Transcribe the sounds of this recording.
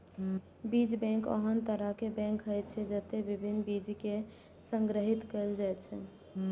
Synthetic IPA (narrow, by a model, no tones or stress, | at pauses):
bid͡ʒbɛ̃ŋkə̰ɦənt̪əɾəkebɛ̃ŋkɦəjt̪̚t͡ʃʰɛd͡ʒət̪ebibʱinːbid͡ʒke | səŋɡɾəɦit̪kəld͡ʒajt̪t͡ʃʰɛ̰